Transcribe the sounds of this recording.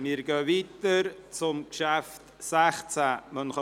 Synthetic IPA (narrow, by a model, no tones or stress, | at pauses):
miːɾɡøːviːtəɾt͡sʊmkʃæft | sæχt͡sæmənχɑ